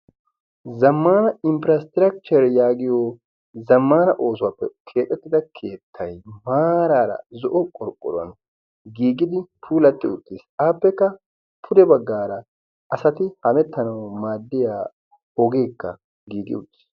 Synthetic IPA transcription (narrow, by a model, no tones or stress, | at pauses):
zɐmːaːnɐɪmpɪɾɐst̪ɪɾɐk̚t͡ʃɛɾjaːɡɪjoː | zɐmːaːnɐʔo̞ːsʊwaːpːɛkʰeːt̪ʼːɛt̪ːɪd̪ɐkʰe̞ːt̪ʰːɐjmaːɾaːɾɐ̰zɔʔɔkʼɔɾkʼːɔ̰ɾɐ̰nɔ | ɡiːɡɪd̪ɪpʰuːlɐt̪ːɪʊt̪ʼːɪsaːpːɛkːɐ | pʰʊd̪ɛbɐɡːaːɾɐ | ʔɐsɐt̪ɪhɐmɛt̪ːɐnɐwmaːd̪ːɪjaː | ɔɡe̞ːkːɐ̰ | ɡiːɡɪ̰ʊt̪ʼːɪ̥s